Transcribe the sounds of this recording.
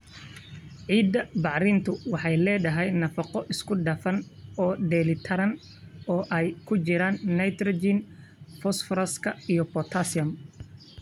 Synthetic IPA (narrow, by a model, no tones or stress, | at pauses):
ʕiːd̪ːɐbɑʕɾɪnt̪ʰʊwɑħɑjlɛːdɐɦɛjnɐfɐqɔʔɪskʰʊɖɐfɐnɔːɖɛlɪt̪ʰɐɾɐn | ɔːʔɛjkʰʊt͡ʃɪɾaːnːɐjt̪ɾɔd͡ʒin | fɔsfɾɐskʰɐijɔpɔt̪ʰasɪɐm